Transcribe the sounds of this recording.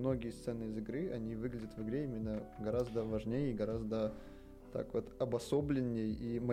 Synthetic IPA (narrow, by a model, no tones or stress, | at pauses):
no̞ɡʲɪjəst̪sɛnːɨɪzɨɡɾɨɐnʲivɨɡlʲɪdʲət̪vɨɡɾʲeimʲɪnːəɡɐɾazd̪əvɐʐnʲejəiɡɐɾazd̪ə | t̪a̰kvot̪ɐbɐso̞blʲɪnʲːɪjimɐ